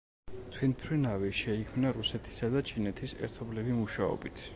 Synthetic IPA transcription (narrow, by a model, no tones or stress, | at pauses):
t̪ʰwɛnpʰɾinavɛʃɛikʰmnaɾusɛt̪ʰi̥sad̪at͡ʃʰinɛt̪ʰisɛ̰ɾt̪ʰɔblivimuʃaɔ̰bit̪ʰ